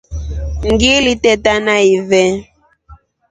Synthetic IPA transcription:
ŋɡilitɛtanaivɛ

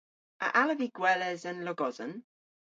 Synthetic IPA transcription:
ə̰ʔaləviɡ̥wɛlɛzənlɔɡɔzən

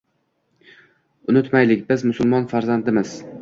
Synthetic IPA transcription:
ʊnʊt̪majlɪk̚ʲbɪzmʊsʊlˠmɒnfaɾzand̪ɪmɪz̥

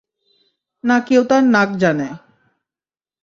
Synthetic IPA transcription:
nakewt̪aɾnak̚d͡ʑane

